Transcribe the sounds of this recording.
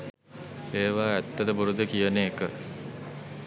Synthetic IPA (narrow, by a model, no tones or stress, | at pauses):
eːʋaːæt̪ːɐd̪əbuɾud̪əkijəneːkə̰